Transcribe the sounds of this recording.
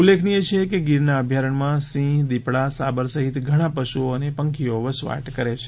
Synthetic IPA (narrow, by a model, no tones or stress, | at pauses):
ulːekʰnijet͡ʃʰekeɡiɾnaəbʱjaɾəɳmãsĩd̪ipɽasabəɾsəɦit̪ɡʱəɽ̃ãpəʃuonepəŋkʰioʋəsʋa̰ʈkəɾet͡ʃʰe̥